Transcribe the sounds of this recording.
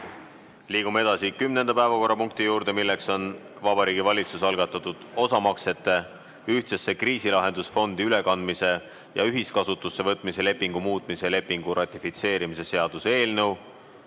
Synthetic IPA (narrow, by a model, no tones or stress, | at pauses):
liːɡ̥umee̞d̪̥ɑsikymne̞nd̪ɑpæe̞vɑko̞rːɑpuŋk̚t̪ijuːɾd̪̥e̞milːe̞kso̞n | vɑb̥ɑɾiːɡivɑlʲit̪susɑlɡ̥ɑt̪ːˑɑt̪ːˑud̪̥o̞sɑmɑkse̞t̪ːˑe̞ | yht̪sesːekriːsilɑɦe̞nd̪̥usfo̞nd̪iyle̞kɑnd̪mise̞ | jɑyɦiskɑsut̪ːˑusːe̞vɤt̪ːˑmise̞le̞pːiŋɡ̥umuːt̪ːˑmisele̞pːˑiŋɡ̥uɾʔɑt̪ʲːˑifit̪se̞ːɾimise̞se̞ɑd̪̥use̞ːlnɤw